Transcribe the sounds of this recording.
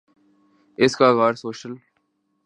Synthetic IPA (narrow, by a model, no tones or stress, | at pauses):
ɪskaːɣaːɾsoːʃəl